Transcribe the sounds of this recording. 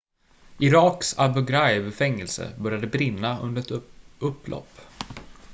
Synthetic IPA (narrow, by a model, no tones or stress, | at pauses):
ʔɪɾɑːksa̰lbɵɡɾaɪbfɛŋːɛlsə̰bœɾjad̪əbɾɪnːaɵ̰nd̪əɾɛt̪ɵpːlɔ̰pː